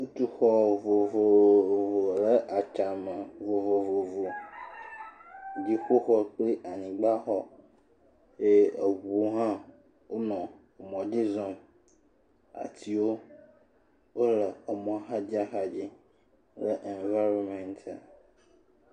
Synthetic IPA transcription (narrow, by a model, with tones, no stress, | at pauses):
u˦t̪u˦xɔ˨vo˨vo˨vo˨lə˦ʔa˨t͡ʃa˨mə˨vo˨vo˨vo˨vo˨ | d͡ʒi˦xo˦xɔ˦k͡pli˦ʔa˨nĩ˨ɡ͡ba˦xɔ˦ | je˦ə˨wu˦ɦã˦ | wo˦nɔ̃˨ | mɔ̃˨d͡ʒi˦zɔ̃˦m | a̰˨t̪ʰi˨wo˦ | wo˦lə˨ə˨mɔ̃˦a˦ɦa˦d͡ʒi˦a˦xa˨d͡ʑi˦ | lə˦ʔɛ˨nva˦ɾɔ˨mɛ̃˨nt̪a̰˨